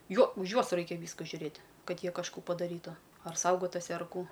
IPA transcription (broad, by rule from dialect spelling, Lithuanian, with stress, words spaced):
ˈjoː ʊʃ ˈjuɔs ˈrɐɪkʲɛ ˈʋʲiːskɐ ʒʲʊˈrʲeːtʲ ˈkɐt ˈjiɛ kɐʃˈkuː pɐdɐˈrʲiːtʊ ɐr ˈsɐʊɡoːtʊsʲɪ ɐr ˈkuː